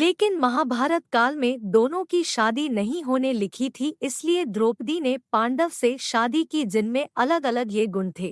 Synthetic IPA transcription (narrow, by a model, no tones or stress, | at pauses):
leːkɪnmɐɦaːbʱaːɾət̪kaːlmẽd̪oːnõkiʃaːd̪inɐɦĩɦoːnelɪkʰit̪ʰiɪslied̪ɾoːpd̪inepãːɳɖəʋseʃaːd̪ikid͡ʒɪnmẽɐləɡɐləɡjeɡʊnt̪ʰeː